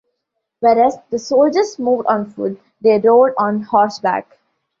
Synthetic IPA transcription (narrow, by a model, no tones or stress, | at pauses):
ʋeːɾæzd̪əsoːld͡ʒəɾsmuːʋɖɔ̃ːnfʊ̰ɖ̚ | d̪eːɾoːɖɔ̃ːnhɔːɾsbæ̰ːk